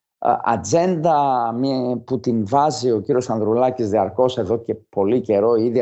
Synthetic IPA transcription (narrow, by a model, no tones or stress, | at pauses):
ɐ̰d͡ze̞nd̪ɐmput̪invɐzio̞ciɾiosɐnðɾulɐcizðiɐɾko̞se̞ðo̞ce̞po̞lice̞ɾo̞iiði